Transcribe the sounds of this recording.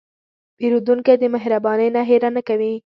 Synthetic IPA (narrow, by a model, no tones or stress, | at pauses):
peɾud̪uŋkad̪əmaɦɾabɑnəjnaɦeɾanakawi